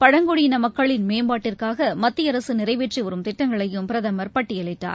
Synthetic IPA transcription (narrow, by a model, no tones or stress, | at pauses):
pɐɽɐŋɡɔɽɪɪnɐmɐkːɐɭɪnmeːmbaːʈːɪrkaːɣɐmɐt̪ːɪjɐɾɐsɯnɪɾɐɪʋeːʈriʋɐɾɯmt̪ɪʈːɐŋɡɐɭɐjɯmpɪɾɐðɐmɐɾpɐʈːɪjɐɭɐɪʈːa̰ːɾ